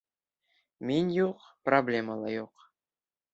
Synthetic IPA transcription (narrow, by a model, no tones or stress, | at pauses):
minʲjuqproblʲeməlˠɑjuq